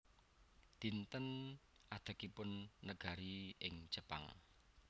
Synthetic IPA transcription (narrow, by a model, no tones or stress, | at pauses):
d̪̥int̪ən | ʔad̪̥a̤kipʊnːəɡ̥a̤ɾiɪŋ̥d͡ʒ̥əpa̰ŋ